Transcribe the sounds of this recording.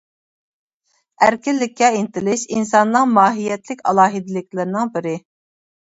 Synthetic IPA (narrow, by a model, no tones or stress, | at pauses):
æɾkʲɪlːɪkʲʰːɛint̪ɪlɪʃinsɑnːɨŋmɑːɦijɛt̪lɪkʲɑ̰lˠɑːɦid̪ɪlɪkʲlɪɾnɪŋbɪɾɪ